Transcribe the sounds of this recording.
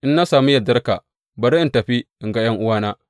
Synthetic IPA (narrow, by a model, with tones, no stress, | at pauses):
ʔɪ˦nːa˦saː˨mu˦jɐ˨dɐ˦rka̰˨ | bɐ˨ɾi˦ʔɪ˦ntɐ˨ɸi˦ʔɪ˨ŋɡa˦jɐ˦ŋʔʊ˦waː˦naː˦